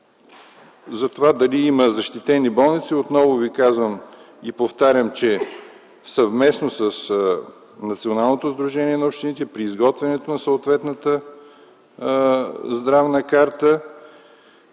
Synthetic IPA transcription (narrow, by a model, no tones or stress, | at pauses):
zɐt̪ovad̪ɐliiməzɐʃt̪it̪ɛnibɔlˠnit̪siot̪nɔvʊvikazvəm | ipoft̪aɾʲəmt͡ʃɛ | sɐvmɛsnosəs | nɐt̪sionalˠnot̪ozd̪ɾuʒɛniɛnɐopʃt̪init̪ɛpɾiːzɡɔt̪vɛnɛt̪onɐsəot̪vɛt̪nət̪ə | zd̪ɾavnəkaɾt̪ə